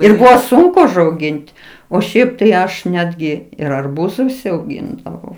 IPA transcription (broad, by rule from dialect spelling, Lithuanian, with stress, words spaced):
ɪr ˈbʊʋoː ˈsʊŋkʊ ʊʒɐʊˈɡʲɪnʲtʲ oː ˈʃʲɛɪp tɐɪ ˈɐʃ ˈnʲæːdʲɡʲɪ ɪr ɐrˈbuːzʊ ʊʃʲsʲɛʊˈɡʲɪndɐʋɐʊ